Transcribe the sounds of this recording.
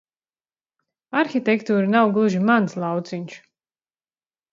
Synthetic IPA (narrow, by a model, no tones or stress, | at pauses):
aɾxʲit̪ɛkt̪uːɾanawɡlˠuʒimanslˠawt̪siɲʲʃ